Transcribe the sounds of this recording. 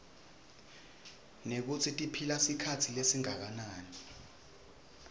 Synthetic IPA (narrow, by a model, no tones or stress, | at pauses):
nek̬ut͡sʰitʼipʰilasikʰatʰilesiŋak̬anaːni